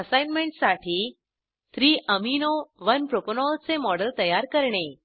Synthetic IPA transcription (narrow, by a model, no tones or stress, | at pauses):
əsajnmeɳʈsaʈʰiː | t̪ɾiːʔəminoʋənpɾoponɔlt͡semɔɽəlt̪əjaɾkəɾɳe